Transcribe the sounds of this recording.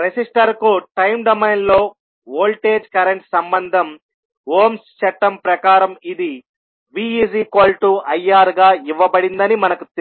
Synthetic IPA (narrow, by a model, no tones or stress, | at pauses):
ɾed͡ʒisʈɐɾkuʈɐjmɖɐmejnlo̞ː | oːlʈeːd͡ʒkɐɾeɳʈsɐmbɐnd̪ʱɐm | ɦoːmst͡ʃɛʈːɐmpɾɐkaːɾɐmid̪i | biːiːsiːkoːlʈuɐjaːɾɡaːiʋːɐbɐɽind̪ɐnimɐnɐkut̪e